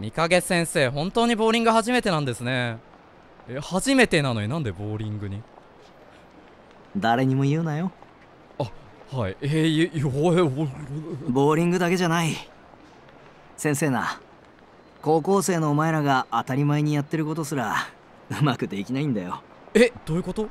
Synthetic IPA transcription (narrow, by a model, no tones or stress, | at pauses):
ɲ̟ikaɡe̞t͡ssẽ̞ɰ̃se̞ːɦõ̞nt̪oːɲ̟ibo̞ːɾʲĩŋɡɯ̟haʑime̞t̪e̞nãnd̪e̞sɨne̞ | ehaʑime̞t̪e̞nanoinãnd̪e̞bo̞ːɾʲĩŋɡɯ̟ɲ̟i | d̪aɾe̞ɲ̟imo̞jɯ̟ːnajo̞ | a | haḭeoeo | bo̞ːɾʲĩŋɡɯ̟d̪ake̞ʑanai | sẽ̞ɰ̃se̞ːna̰ | ko̞ːko̞ːse̞ːno̞ːmaeɾaɡaʔːt̪aɾʲimaeɲ̟ijat̪ːe̞ɾɯ̟ko̞t̪o̞sɨɾa | ɯ̟makɯ̟d̪e̞kʲinaĩnd̪ajo̞ | ed̪̥oːɯ̟ko̞t̪o̞